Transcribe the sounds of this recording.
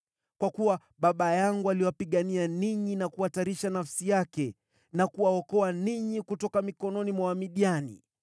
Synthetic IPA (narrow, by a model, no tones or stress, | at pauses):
kwakuwa | ɓaɓajaŋɡualiwapiɠanianiɲinakuwataɾiʃanafsijakɛ | nakuwaɔkɔaniɲikutɔkamikɔnɔnimwawamiɗianḭ